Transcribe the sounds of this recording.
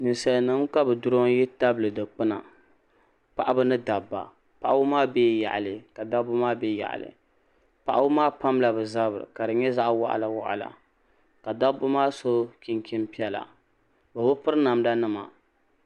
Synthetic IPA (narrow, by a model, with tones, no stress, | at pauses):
nɨ˨nsa˨nɨ˦mka˦bɨ˨dʊ˦ɾo˦ŋ˦jɛ˦ta˦blɨ˨dɨ˨k͡pɨ˦na̰˨ | pa˨ʔa˦bɨ˦nɨ˦da˨bːa̰˨ | pa˨ʔa˦ʊ˦maː˦beː˦˨ja̰˨ʔa˨lɨ˨ka˨da˦bʊ˦maː˦be˦ja̰˨ʔa̰˨lɨ̰˨ | pa˨ʔa˦wʊ˦maː˦pa˦mla˨bɨ˨za˦bɨ˨ɾɨ̰˨ka˨dɨ˨ɲɛ˦za˦ʔwa̰˦ʔa̰˨la˨wa̰˨ʔa̰˨la̰˨ | ka˨da˦bʊ˦maː˦so˦kʲi˦ŋki˦mpi˦ɛ˦la̰˨ | bɨ˨bʊ˦pɨ˦ɾɨ˦na˨mda˦nɨ˦ma̰˨